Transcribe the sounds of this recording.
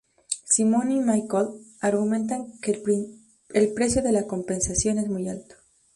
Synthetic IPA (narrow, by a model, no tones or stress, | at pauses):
simõnimajkolaɾɣumẽ̞nt̪̬aŋke | elpɾe̞sjo̞ðe̞lako̞mpe̞nsasjo̞ne̞zmujalt̪o̥